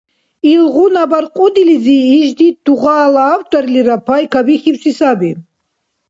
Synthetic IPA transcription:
ilʁunabaɾqʼud̪ilid͡ziːʒd̪it̪̚d̪̥uʁaːlaːwt̪ʼɔɾiliɾapʰajkʰabiχiwsisabi

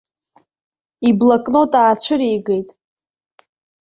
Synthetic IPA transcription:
iblakʼno̞tʼaːt͡ɕʷʰɨɾejɡe̞jtʼ

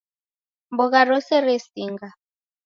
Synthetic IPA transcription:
mbɔɣaɾɔsɛɾesiŋɡa

